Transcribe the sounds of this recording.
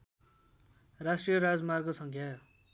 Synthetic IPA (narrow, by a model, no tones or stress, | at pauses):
rasʈrijʌɾad͡zmarɡosʌŋkʰja